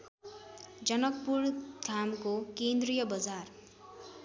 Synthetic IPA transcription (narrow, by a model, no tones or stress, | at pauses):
d͡zʌnʌkpurd̪ʱamkokend̪rijʌbʌd͡zar